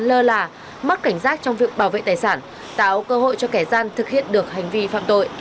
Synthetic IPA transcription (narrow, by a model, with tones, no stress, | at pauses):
nləː˧laː˨˩ | mə˦˥t̚ka˧˩jŋ̟zaː˦˥t̚t͡ɕɔ˧wŋ͡mvi˨˩ək̚ɓaː˧˩wvḛ˧˨t̪aː˨˩jsaː˧˩n | t̪a̰ː˧˥wkəː˧ho̰˧˨jt͡ɕɔ˧kɛ˧˩zaː˧nt̪ʰɨ˨˩k̚hḭ˧˨ənɗɨ˨˩ək̚ha˨˩jŋ̟vi˧fa̰ː˧˨mt̪o̰˧˨jʔ